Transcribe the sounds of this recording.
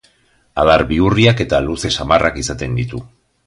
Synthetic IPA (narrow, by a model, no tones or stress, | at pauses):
aðaɾbiuriake̞t̪aluse̞samarʔakisat̪e̞nd̪it̪u